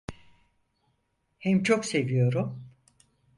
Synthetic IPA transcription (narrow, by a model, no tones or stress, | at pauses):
hɛmt͡ʃʰo̞kse̞vijo̞ɾum